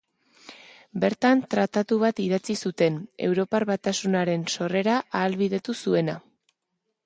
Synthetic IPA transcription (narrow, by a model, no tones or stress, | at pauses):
be̞ɾt̪ant̪ɾat̪at̪uβ̞at̪iðat͡sisut̪e̞ne̞̰wɾo̞parβat̪asunaɾe̞nso̞re̞ɾaʔaːlβið̞e̞t̪usue̞na